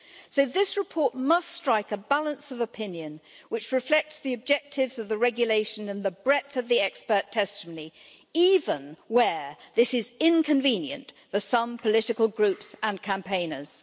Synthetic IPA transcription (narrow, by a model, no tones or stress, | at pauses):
soʊðɪsɹɨpʰɔɹt̚mʌststɹ̥aɪkəbælˠə̃nsʌvəpʰɪ̃njɨ̃n | wɨt͡ʃɹɨflɛk̚tsðiɨb̚d͡ʒɛk̚tʰɪvzʌvðəɹɛɡjɨleɪʃɨ̃nɨ̃nðəbɹɛθʌvðiɛkspə˞tʰɛstəməni | ivə̃nwə˞ðɪsɪzɪ̃nkʰɨ̃ɱvĩnjɨ̰̃ntfə˞sʌ̃mpʰəlɪɾɨkəlˠɡɹʉpsə̃nkʰæ̃mpʰẽɪ̃nə˞z̥